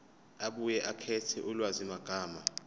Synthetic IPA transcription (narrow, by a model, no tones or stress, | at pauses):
aɓujɛʔakʰɛtʰɛ̰ʔulwazimaɡ̥ʱaːma